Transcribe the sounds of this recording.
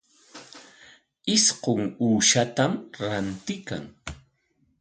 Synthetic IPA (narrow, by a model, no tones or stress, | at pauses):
ɪsqoŋuːʃat̪amɾant̪ɪka̰ŋ